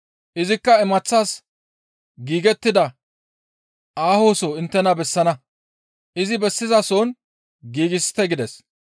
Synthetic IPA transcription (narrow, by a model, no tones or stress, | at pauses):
ʔɪzɪkːɐɛmɐt͡sːaːs | ɡiːɡɛt̪ːɪd̪ɐ | ʔaːho̞ːsoːɪnt̪ːɛnɐbɛsːɐnɐ | ʔɪzɪbɛsːɪzɐsoːn | ɡiːɡɪst̪ɛɡɪd̪ɛs